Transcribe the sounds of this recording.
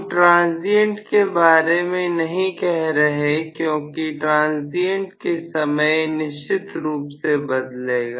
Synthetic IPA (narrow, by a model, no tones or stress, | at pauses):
ʈɾãːnziə̃ɳʈkebaːɾemẽnɐɦĩkɛɦɾɐɦekjõːkiʈɾãːnziə̃ɳʈkesɐməjnɪʃt͡ʃɪt̪ɾuːpsebɐd̪leːɡaː